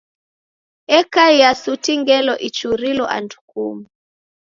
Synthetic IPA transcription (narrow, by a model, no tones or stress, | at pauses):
ɛkaiasutiŋɡɛlɔʔit͡ʃuɾilɔʔa̰ndukumu